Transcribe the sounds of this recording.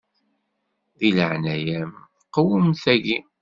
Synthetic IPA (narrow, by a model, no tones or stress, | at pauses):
ðiləʕnæjæm | qːəwəmθæʝi